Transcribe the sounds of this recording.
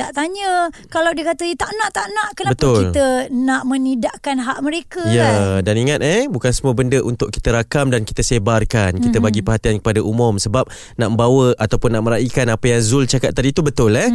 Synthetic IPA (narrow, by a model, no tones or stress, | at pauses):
t̪aʔt̪aɲəkalawdiəkat̪əit̪aʔnaʔt̪aʔnaʔkənabət̪ʊkilt̪ənaʔmə̃nidaʔkanɦaʔməɾekəjədaniŋat̪̚ebukansəmuəbəndəʔunt̪ʊʔ̚ki̥t̪əɾakamdanki̥t̪əsebarkankit̪əbaɡipəɦat̪iankə̥padaʔumʊmsəbap̚ | naʔməmbawəat̪awpʊnːaʔməɾaikanapəjaŋzult͡ʃakat̪̚ːadit̪ubət̪ʊlɛ